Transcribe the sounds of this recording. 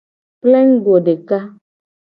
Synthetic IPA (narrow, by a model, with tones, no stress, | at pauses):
plɛ˦ŋ̩˦ɡo˨ɖe˨ka˦